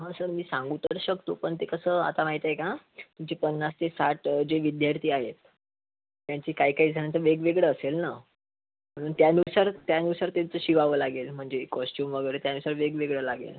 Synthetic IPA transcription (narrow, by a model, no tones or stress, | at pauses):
ɦãsəɾmiːsãŋɡut̪əɾɕəkt̪o̰ːpəɳt̪ekəsəːa̰t̪amaɦit̪ɦeka | t̪umt͡ɕepənːast̪esaʈd͡ʑeʋid̪jaɾt̪ʰiːaɦet̪ː | jaɲt͡ɕiːkaɦiːkaɦiːd͡zʱaɳjat͡səʋeɡʋeɡɭəːselna | m̤əɽ̃uːnt̪janusaɾt̪janusaɾt̪ent͡səɕiʋaʋəːlaɡelm̤əɳd͡zekɔsʈjuːmʋəɡəɾt̪janusaɾʋeɡʋeɡɭəːlaɡḛl